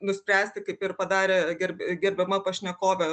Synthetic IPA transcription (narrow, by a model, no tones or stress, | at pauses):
nʊsʲpʲɾʲæːsʲt̪ʲɪkɐɪpɪrpɐd̪ɑːɾʲeːɡʲɛrʲbʲɡʲɛɾʲbʲɛmɐpɐʃʲnʲɛkoːʋʲɛ